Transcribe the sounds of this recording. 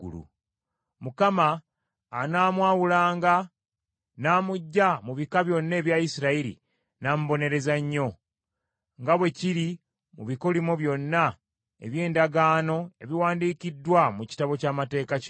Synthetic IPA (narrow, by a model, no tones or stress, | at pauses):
ṵlṵ | mukamaː | naːmwaːwulaːŋɡa | naːmuɟːamuβikaβjo̞nːe̞ːβjaisiɾaiɾḭ | naːmuβo̞ne̞ɾe̞zaɲːo̞ | ŋɡaβwe̞ciɾi | muβikolimoβjo̞nːa | e̞̰βje̞ːndaɡaːno̞e̞βiwaːndiːkidːwamuci̥taβo̞caːmate̞ːka